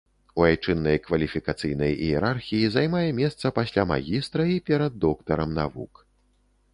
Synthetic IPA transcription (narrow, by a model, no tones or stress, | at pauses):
uajt͡ʂɨnːɐjkvɐlʲifʲikat̪sɨjnɐjḭjɛɾarxʲijizajmajɛmʲɛst̪sɐpasʲlʲama̰ɣʲist̪ɾɐipʲɛɾɐd̪ːɔkt̪ɐɾɐmna̰vṵk